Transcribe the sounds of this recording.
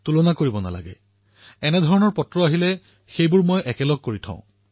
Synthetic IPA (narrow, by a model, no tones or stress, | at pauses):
tulɔnakoɹibɔna̰la̰ɡɛ | ɛnɛd̪ʱɔɹɔnɔɹpɔtɹɔaɦilɛ | xejbʊɹmɔjʔɛkɛlɔɡ̚koɹitʰã̰ʊ̰̃